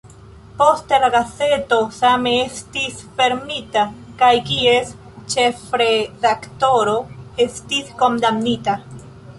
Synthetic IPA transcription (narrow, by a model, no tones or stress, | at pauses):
po̞st̪eɾaɡase̞t̪o̞sameest̪isfe̞ɾmit̪akajkies | t͡ʃefɾedakt̪o̞ɾo̞est̪isko̞nd̪amnit̪a